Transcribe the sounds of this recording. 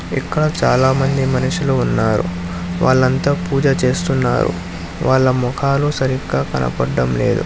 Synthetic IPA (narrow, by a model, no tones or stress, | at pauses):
ikːɐɽɐt͡ʃaːlaːmɐnd̪imɐniʂiloːunːaːɾṵ | ʋaːɭːɐnt̪aːpuːd͡ʒɐt͡ʃe̞ːst̪unːa̰ːɾṵ | ʋaːɭːɐmɔkʰaːlusɐɾikːaːkɐnʔɐ̰pɐɖːɐmle̞̰ːd̪ṵ